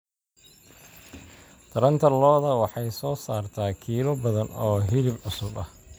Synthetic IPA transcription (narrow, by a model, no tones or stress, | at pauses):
t̪ʰɐɾɐnt̪ʰɐlɔːðɐwɑħɑjsɔːsaːrt̪ʰaːkʰiːlɔbɐðɐnɔːɦɪlɪbʕʊsʊbɐh